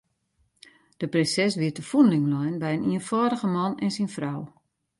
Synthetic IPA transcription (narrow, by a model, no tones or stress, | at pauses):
d̥əprɪnsɛsʋiətəfunlɪŋlɔjnbɛjəniənfɔːdəɣəmɔnɛnsinfraw